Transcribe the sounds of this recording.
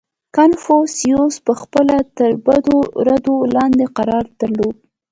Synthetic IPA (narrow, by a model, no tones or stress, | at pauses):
kanfosijospəxpəlat̪əɾbad̪oɾad̪olɑnd̪eqaɾɑɾd̪̥əɾlod̪̚